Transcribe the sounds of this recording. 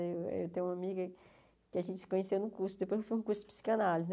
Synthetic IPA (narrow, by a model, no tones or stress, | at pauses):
ewḛwt̪ẽj̃ũamiɡɐ | kɪaʒẽt͡ʃ̪ɪsɪ̥kõɲesewnʊkuɾsʊd̪epojzewfojũkuɾsʊd̪ɪ̥pi̥si̥kɐnalizn